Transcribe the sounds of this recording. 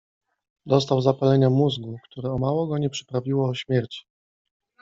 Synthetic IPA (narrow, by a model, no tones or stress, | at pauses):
d̪ɔst̪awzapalɛɲamuzɡukt̪uɾɛɔmawɔɡɔɲɛpʂɘ̥pɾavʲiwɔːɕmʲjɛɾt͡ɕi̥